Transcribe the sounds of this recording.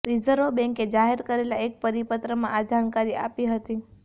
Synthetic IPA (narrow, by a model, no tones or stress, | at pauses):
ɾizəɾobɛ̃ŋked͡ʒaɦeɾkəɾelaek̚pəɾipət̪ɾəmã̰ʔad͡ʒankaɾiʔapiɦət̪i